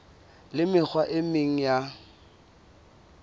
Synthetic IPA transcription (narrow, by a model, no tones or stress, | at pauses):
lɪmɪk͡xʰwaʔɪmɪŋ̩ja